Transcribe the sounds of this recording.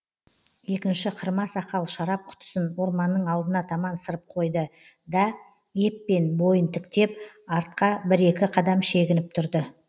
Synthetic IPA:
je̞kʲɪnʃɪqʰəɾmɑsɑqɑlˠʃɑɾɑp̚qʰʊ̥t̪ə̥sənwo̞ɾmɑnːəɴɑlˠd̪ənɑt̪ʰɑmɑnsəɾəp̚qʰo̞jd̪ə | d̪ɑ | e̞pːe̞nbo̞jənt̪ʰɪkt̪e̞p | ɑɾt̪̚qɑbɪɾe̞kʲɪqʰɑd̪ɑmʃe̞ɡʲɪnɪp̚t̪ʰʊɾd̪ə

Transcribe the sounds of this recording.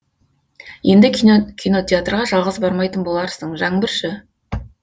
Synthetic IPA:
je̞nd̪ɪkʲʰijno̞t̪ʲeat̪rʁɑʒɑlˠʁəzbɑɾmɑjt̪ənbo̞lˠɑɾsəɴʒɑɴəbɪɾʃɪ

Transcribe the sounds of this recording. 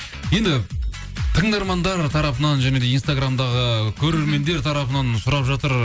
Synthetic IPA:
je̞nd̪ɪ | t̪ʰəɴd̪ɑɾmɑnd̪ɑɾt̪ʰɑɾɑpənɑnʒæne̞d̪e̞ijnst̪aɡɾamd̪ɑʁəkʲʰɵɾe̞ɾme̞nd̪e̞ɾt̪ʰɑɾɑpənɑnsʊɾɑpʒɑt̪əɾ

